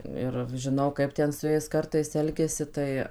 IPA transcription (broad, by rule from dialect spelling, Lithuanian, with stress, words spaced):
ˈɪr ʒʲɪˈnɐʊ ˈkɐɪp tʲɛn sʊ ˈjɛɪs ˈkɐrtɐɪs ˈɛlʲɡʲɛsʲɪ ˈtɐɪ